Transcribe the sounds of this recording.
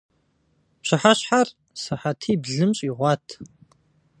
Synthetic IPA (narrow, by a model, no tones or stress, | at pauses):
pɕɪħaɕħar | sɨħatʰiːbɮɨmɕʼiʁʷɑːtʰ